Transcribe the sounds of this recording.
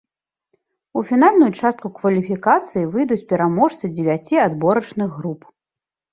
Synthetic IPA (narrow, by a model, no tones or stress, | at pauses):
ufʲinalʲnujut͡ʂast̪kukvɐlʲifʲikat̪sɨjivɨjd̪ut͡sʲpʲɛɾamɔʂt̪sɨd͡zʲɪvʲat͡sʲiad̪bɔɾɐt͡ʂnɨɣːɾup